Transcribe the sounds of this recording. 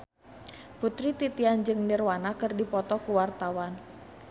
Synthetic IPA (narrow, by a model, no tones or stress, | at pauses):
put̪ɾit̪it̪iand͡ʒɨŋnirwanakɨrdipɔt̪ɔkuwart̪awan